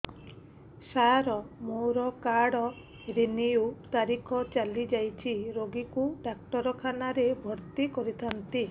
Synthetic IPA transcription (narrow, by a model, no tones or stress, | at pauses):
saɾɔmowɾɔkaɽɔ | ɾiniut̪aɾikʰɔt͡ʃalid͡ʒajt͡ʃʰiɾoɡikuɖak̚ʈɔɾɔkʰanaɾebʱɔɾt̪ikɔɾit̪ʰant̪i